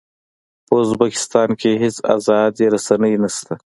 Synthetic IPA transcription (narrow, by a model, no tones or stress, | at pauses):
pəʊzbakɪ̥st̪ɑnkʰeɦɪsa̰zɑd̪jeɾasanəjnast̪a